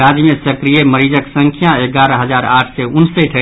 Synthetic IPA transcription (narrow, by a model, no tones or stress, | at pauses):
ɾad͡ʒmẽsəkɾijeməɾid͡ʒəksə̃ŋkʰjãeɡaɾəɦəd͡ʒaːɾa̰ːʈʰseunsəʈʰə